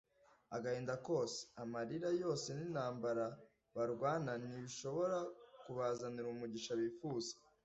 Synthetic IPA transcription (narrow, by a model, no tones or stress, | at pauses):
aɡaheːndako̞ːse̥amaɾiɾajo̞ːse̞ninhaːmbaɾa | βaɾɡwaːnaniβiʃo̞βo̞ɾakuβazaniɾumuɟiʃaβifuzḁ